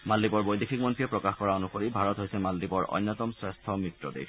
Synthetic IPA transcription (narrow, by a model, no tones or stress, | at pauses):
malːipɔɹbojdikʰik̚mɔntɹiɛpɹɔkaxkɔɹaonuxoɹibʱaɹɔtɦojsɛmalːipɔɹʔɔ̰jnːɔt̪ɔmsɹɛst̪ʰɔmɹitːɹɔdḛj